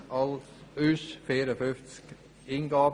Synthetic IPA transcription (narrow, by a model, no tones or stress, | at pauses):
ɑl | ʉsfeːɾəfʏft̪sk | ɪŋɡɑː